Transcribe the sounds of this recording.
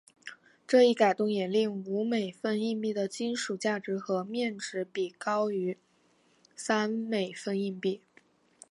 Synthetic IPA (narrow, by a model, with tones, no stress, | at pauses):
ʈ͡ʂɤ˥˧i˥˩ka˨˩ɪt̪ʊ˥˩ŋjɛ˨˩li˥˩ŋu˧˥me˨˩ɪfə˥˧ni˥˧pi˥˩d̪ə˩t͡ɕi˥nʂu˨˩t͡ɕja˥˩ʈ͡ʂɻ̩˧˥xɤ˧˥mjɛ˥˩nʈ͡ʂɻ̩˧˥pi˨˩kɑ˥ʊy˧˥ | sa˥nme˨˩ɪfə˥˧ni˥˧npi˥˩